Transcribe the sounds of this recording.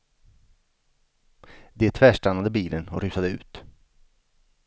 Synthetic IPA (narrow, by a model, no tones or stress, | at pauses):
d̪ɛt̪ʰvæːʂʈanːad̪əbiːlʔənɔ̰ɾʉ̟ːsad̪əʉ̟̰ːt̪